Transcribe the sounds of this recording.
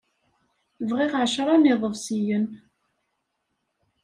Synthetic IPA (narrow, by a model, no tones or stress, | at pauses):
vʁiʁʕʃɾˤɑniðˤəvsijən